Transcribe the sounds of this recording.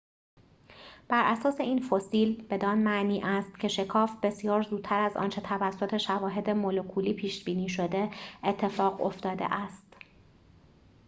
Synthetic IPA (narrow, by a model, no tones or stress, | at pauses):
b̥æɾʔæsɒːse̞iːnfosiːlb̥e̞d̪ɒːnmæʔniːʔæst̪̚cʰe̞ʃe̞kʰɒːfb̥e̞sjɒːɾzuːd̪̚t̪ʰæɾæzɒ̰ːnt͡ʃʰe̞t̪ʰævæsːot̪ʰe̞ʃævɒːɦe̞d̪e̞molokʰuːliːpʰiːʃbiːniːʃo̞d̪e̞et̪ʰːe̞fɒːɣo̞̰ft̪ɒːd̪ḛʔæst̪